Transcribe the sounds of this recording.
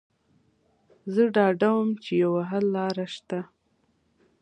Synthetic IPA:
zəɖɑɖawəmt͡ʃejawaɦalːɑɾaʃt̪a

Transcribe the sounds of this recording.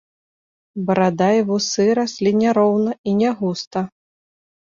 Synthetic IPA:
bɐɾad̪aivusɨɾasʲlʲinʲɛɾɔwnɐinʲɛɣust̪ɐ

